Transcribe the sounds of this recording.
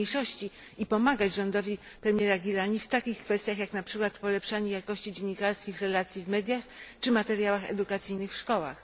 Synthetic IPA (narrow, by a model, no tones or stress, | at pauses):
ejʂɔɕt͡ɕi | ipɔmaɡat͡ɕd͡ʑʐɔnd̪ɔvʲi | pɾɛmʲjɛɾaɡʲilaɲift̪akʲixkfɛst̪ʲjaxjaknapʂɘkwat̪pɔlɛpʂaɲɛjakɔɕt͡ɕid͡ʑeɲːikaɾskʲixɾɛlat̪sʲjivmɛd̪ʲjaxt͡ʂɘmat̪ɛɾjawaxɛ̰d̪ukat̪sɘjnɘxfʂkɔwa̰x